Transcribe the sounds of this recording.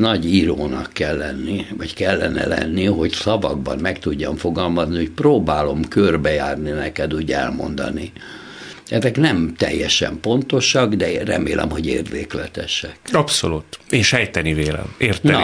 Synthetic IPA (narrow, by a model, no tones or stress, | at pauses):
nɒɟiɾoːnɒkːɛlːɛnːivɒckɛlːɛnɛ̰lɛ̰nːiɦo̞csɒvɒɡ̚bɒnmɛkt̪uɟːɒɱfo̞ɡɒlmɒznihocproːbaːlo̞mkørbɛjaːrninɛkɛd̪uːɟɛ̰lmo̞̰nd̪ɒ̰ni | ɛzɛknɛmt̪ɛ̰jːɛʃɛ̰mpo̞nt̪o̞ʃɒɡd̪ɛrɛ̰meːlʔɛ̰mɦo̞ɟeːrd̪eːklɛt̪ɛʃɛkɒpsolut̪eːnʃɛjt̪ɛniveːlɛ̰meːrt̪n